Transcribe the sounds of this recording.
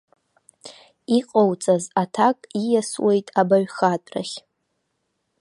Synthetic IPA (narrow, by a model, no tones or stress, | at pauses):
iqʼowt͡sʼazatʰakʼijaswe̞jtʼabaɥχatʼra̰χʲ